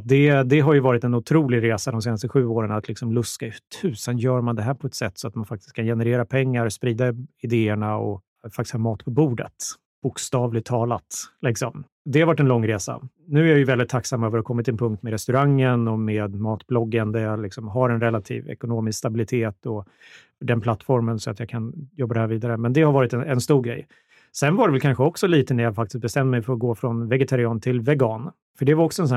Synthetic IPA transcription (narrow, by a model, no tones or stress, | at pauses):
d̪ɛd̪ɛɦaɾjɵvɑːɾɪt̪ɛnʊt̪ʰɾuːlɪɡɾeːsad̪ɔmseːnast̪əɧʉ̟ːoːɾənat̪ʰlɪksɔmlɵskat̪ʰʉ̟ːsɛnjœːɾmand̪ɛɦæːɾpʰɔɛt̪sɛt̪ːsɔat̪manfak̚t̪ɪ̥s̚kʰːanjɛnɛɾeːɾapʰɛŋːaɾspɾiːd̪aɪd̪eːəɳaɔ̰ | fak̚t̪ɪ̥shʰɑːmɑːt̪pʰɔbuːɖə̰t̪ | b̥ʊkst̪ɑːvlɪɡ̚t̪ʰːɑːlat̪lɪksɔm | d̪ɛhaɾvaʈːɛnlɔŋːɾeːsa̰ | nʉ̟ːæɾjajɵvɛld̪ɪt̪ʰːaksamːøːvəɾhakʰɔmːɪt̪ɪnpʰɵŋk̚t̪mɛɾɛst̪ɵɾaŋːənɔmeːd̪mɑːt̪blɔɡːand̪əlɪksɔmɦaɾɛnɾɛlːat̪ʰḭːvɛ̰kʊnoːmɪskst̪abɪlɪt̪ʰeːt̪ɔ | fœɖɛnpʰlat̪ːfɔɾmənsɔat̪jɑːkʰanjɔbːad̪ɛhæɾviːd̪aɾəmɛnd̪ɛhaɾvɑːɾɪt̪ɛnɛnst̪uːɾɡɾɛ̰j | sɛnvaɖɛvɛlkʰanɧəɔksɔliːt̪ənæɾjɑfakt̪ɪ̥st̪̚bɛst̪ɛmd̪mɛjfœɾɔɡoːfɾɔnvɛɡɛt̪ʰaɾɪɑːnt̪ʰɪlvɛɡɑːn | fœɖɛvaɾɔksɔɛns̬ɔn